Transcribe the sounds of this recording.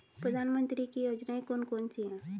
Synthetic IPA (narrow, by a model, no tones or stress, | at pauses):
pɾəd̪ʱaːnmə̃nt̪ɾikijoːd͡ʒnaẽkoːnkoːnt͡ʃiɦɛ̃